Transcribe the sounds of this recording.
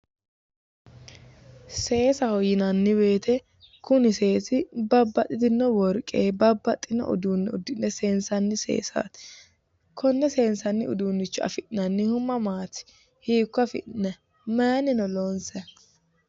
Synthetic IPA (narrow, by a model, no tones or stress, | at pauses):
se̞ːsɐhɔjɪnɐnːɪbe̞ːt̪ʰɛ | kʊnɪse̞ːsɪbɐbːɐt̪ʼːɪd̪ɪnːɔwɔɾkʼːeːbɐbːɐt̪ʼːɪnːɔ̰ʔʊ̰d̪uːnːɪʊd̪ːɪnːɛse̞ːnsɐnːɪsḛːsa̰ːt̪ | kʰɔnːɛse̞ːnsɐnːɪʊ̰d̪uːnːɪt͡ʃːɔɐ̰fɪʔnɐnːɪhʊmɐmaːt̪ɪ̥ | hiːkːɔɐfɪ̰ʔnɛ | maːnɪnɔlonsɛ